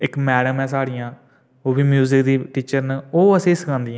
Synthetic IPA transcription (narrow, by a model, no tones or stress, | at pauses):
ɪkmɛːɽəmɛ̃ːsaːɽijãː | oːbiːmjuːzɪkd̪iːʈiːt͡ʃəɾnoːəsẽːsəkʰãːnd̪iːãː